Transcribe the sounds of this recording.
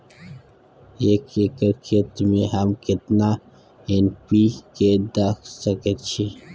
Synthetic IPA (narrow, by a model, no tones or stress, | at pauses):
eːkekəɾkʰet̪meɦɐmkɪt̪na | enpiked̪akʰsɐket̪t͡ʃʰi